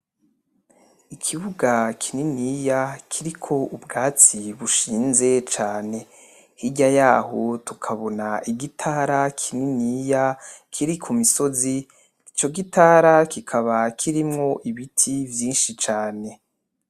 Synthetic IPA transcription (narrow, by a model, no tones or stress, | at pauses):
ikʰiβuɡakʰininijakʰiɾikʰo̞ubɡaːt͡siβuʃiːnze̞t͡ʃaːne̞ | hiɟajaːhotukʰaβo̞naʔiɡitʰaɾakʰininijakʰiɾikʰumiso̞zi | it͡ʃo̞ɡitʰaɾakikʰaβakʰiɾimŋo̞ʔiβitʰivjiːnʃit͡ʃaːne̞